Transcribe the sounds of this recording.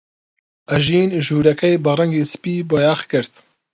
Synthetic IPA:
ʔɐʒiːnʒuːɾɛkɛjbɨrɛŋɡeːsɨ̥piːbojaːxkɨɾt̪

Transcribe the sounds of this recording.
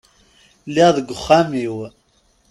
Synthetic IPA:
liʁðəɡʷʊχːæmiw

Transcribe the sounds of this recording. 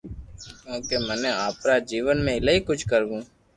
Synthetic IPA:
kjõːkeːmənẽːaːpɾaːd͡ʒiːʋənmẽːɪlaiːkʊt͡ʃʰkəɾɡũː

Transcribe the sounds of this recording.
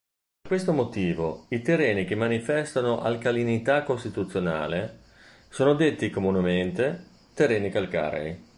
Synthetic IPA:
peɾkwest̪omot̪iːvo̰it̪erːeːnik̟emːanifɛst̪anoʔa̰lkalinit̪akːost̪it̪ut̪sːjona̰ːle | soːnod̪et̪ːikomunement̪e | t̪erːɛːnikalka̰ːɾḛj

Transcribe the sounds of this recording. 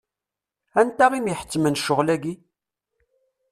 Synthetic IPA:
ænt̪æʁimjəħə̥t͡sːmənʃːʊʁlæɡi

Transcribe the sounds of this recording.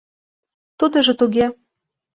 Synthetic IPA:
t̪ud̪ɤ̆ʒɤ̆t̪uɣʲe

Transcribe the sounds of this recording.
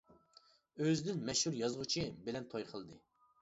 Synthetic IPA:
øzd̪ɪnmɛʃhuɾjɑzʁʊt͡ʃʰibɪlɛnt̪ʰojqʰəlˠd̪ɨ

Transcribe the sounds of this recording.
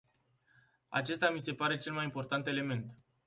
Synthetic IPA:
a̰t͡ʃe̞st̪ʲamise̞paɾe̞t͡ʃe̞lmajimpo̞rt̪ant̪e̞le̞me̞nt̪

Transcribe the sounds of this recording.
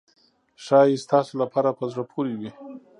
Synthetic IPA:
ʃɑjest̪ɑsolapʰɑɾapəzɽapʰoɾiwi

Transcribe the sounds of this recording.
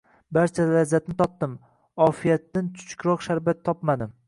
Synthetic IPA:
baɾt͡ʃʰalazat̪̚nɪt̪ʰɒp̚d̪ɪm | ɒfijat̪ːant͡ʃ̪ʰʊ̥t͡ʃʰkɾɒqʃaɾbat̪ʰːɒpmad̪ɪm

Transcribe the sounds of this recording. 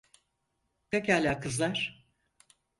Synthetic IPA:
pɛcalʲaːkʰɯzlˠaɾ̥

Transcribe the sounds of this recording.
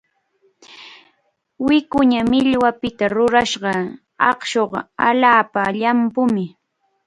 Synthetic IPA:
wɪkʊɲamɪʎwapɪt̪aɾʊɾaʃɢɑ | ɑ̰χʃoɢa̰ʎaːpaʎampʊmɪ

